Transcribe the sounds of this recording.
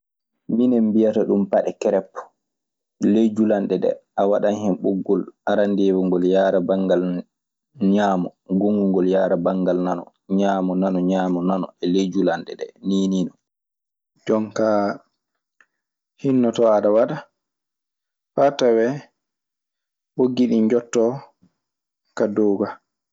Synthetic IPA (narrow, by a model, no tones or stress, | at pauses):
minɛmbijataɗumpaɗɛkɛɾɛpːɔ̥ | led͡ʒulanɗɛɗɛ̰ʔawaɗanhɛmɓuɡːɔlʔaɾandeːwɔŋɡɔljaːɾabaŋɡal | ɲaːmɔɡoŋɡuŋɡɔljaːɾabaŋɡalnanɔ̰ | ɲaːmɔnanɔɲaːmɔnanɔɛled͡ʒulanɗɛ̰ɗɛ̰niːniːnɔ | d͡ʒɔŋka | hinːɔtɔaɗawaɗa | fatawɛ | ɓoɡiɗind͡ʒɔtːɔ | kadɔːɡa